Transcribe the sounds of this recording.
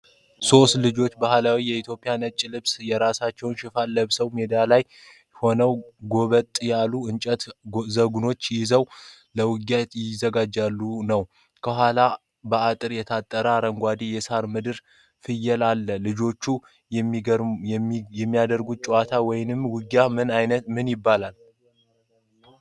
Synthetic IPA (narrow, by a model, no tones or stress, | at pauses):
so̞st̪lɨd͡ʒo̞t͡ʃːbahlawijɛit̪ʰjo̞pʼijanət͡ʃʼːilɨβsjɛɾasat͡ʃːɛwnʃɪfalːəβsəwmed̪alaj | ho̞nəwɡo̞βət̪ʼːjalːuɨnt͡ʃʼət̪zəɡuno̞t͡ʃːjɪzəw | ləwɨɡat̪jɪzəɡad͡ʒːalːunəw | kʰəɦʷala | bəat̪ʼɨɾjɛt̪ʰat̪ʼːəɾəaɾəŋɡʷad̪ijɛsaɾmɨd̪ɨɾ | fɨjːɛlalːəlɨd͡ʒo̞t͡ʃːu | mː | jɛmːijad̪əɾɡut͡ʃʼuwat̪ʰawɔjnɨmwɨɡjamɨnajnət̪mɨnjɪbːalal